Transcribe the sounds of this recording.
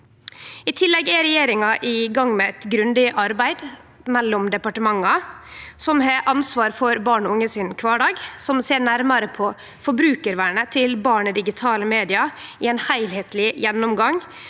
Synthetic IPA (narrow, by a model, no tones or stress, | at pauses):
ɪt̪ʰɪlːɛɡæɾɛjeːɾɪŋɑʔɪɡɑŋːmɛɛt̪ɡɾʉnd̪ɪʔɑɾbæɪd̪ | mɛlːɔmd̪ɛpɑʈəmɑŋːɑsɔmɦeʔɑnsʋɑːɾfɔɾbɑːɳʊŋːəsɪnkʰʋɑːɖɑːɡsɔmseːɾɳæɾmɑɾəpʰɔ | fɔbɾʉːkəɾʋæːɳət̪ʰɪlbɑːɳəd̪ɪɡɪt̪ʰɑːləmeːd̪ɪɑɪɛnhæɪlheːt̪ʰlɪjɛnːɔmɡɑŋ